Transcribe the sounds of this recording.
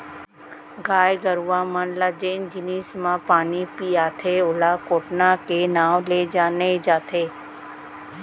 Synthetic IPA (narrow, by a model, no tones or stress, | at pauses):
ɡaːjɡəɾʋãːmənlad͡ʒeːnd͡ʒɪniːsmãpaːnipiːaːt̪ʰeʊlakoːʈnakenaːwled͡ʒaːned͡ʒaːt̪ʰeː